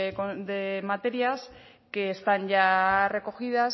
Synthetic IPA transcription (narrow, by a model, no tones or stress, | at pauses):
kod̪e̞mat̪e̞ɾjas | keːst̪anʝare̞ko̞xiðas